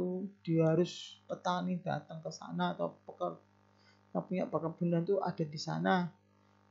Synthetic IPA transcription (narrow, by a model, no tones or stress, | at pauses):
ud̥i̤ɦaɾʊspət̪anid̥a̰t̪əŋkəsa̰naːt̪a̰wpəkər | napuɲa̰ʔpəkərb̥ṳnant̪uʔa̰d̥a̤disa̰na